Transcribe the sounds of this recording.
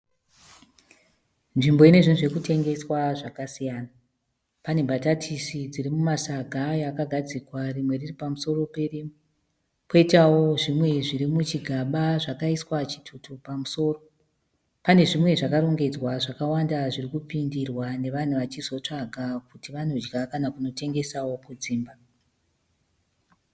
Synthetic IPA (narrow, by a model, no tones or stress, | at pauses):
nʐimbo̞ine̞ʐinuʐe̞kute̞ŋɡe̞swaʐakasijaːna | pane̞bʱatatʰisid͡ziɾimumasaɡʱajakaɡʱad͡zikwarimwe̞riripamuso̞ro̞pe̞rim | po̞itawo̞ʐimwe̞ʐiɾimut͡ʃiɡʱaɓaʐakaiswat͡ʃi̥tʰutupamuso̞ːro̞ | pane̞ʐimwe̞ʐakaɾo̞ŋɡe̞d͡zwaʐakawandaʐirikupindirwane̞ʋan̤uʋat͡ʃizo̞t͡ʂaɡʱakutiʋano̞d͡ʒɡakanakuno̞te̞ŋɡe̞sawo̞kud͡ziːmba